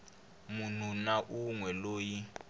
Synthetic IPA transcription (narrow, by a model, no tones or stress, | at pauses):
mun̤unaʔuŋwɛloːji